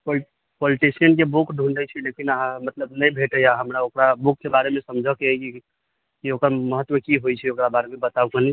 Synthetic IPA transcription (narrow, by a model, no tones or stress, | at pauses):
po | poliʈisiənk̬ebukʰɖʱuɳɖət͡ʃʰilekinaɦãmət̪ləbnəjbʱeʈəjaɦəmɾaokɾabuk̚ʰːebaɾemẽsəmd͡ʒʱəkeai | kiokəɾməɦət̪ːwəkiɦojt͡ʃʰɛokɾabaɾemebət̪aukəni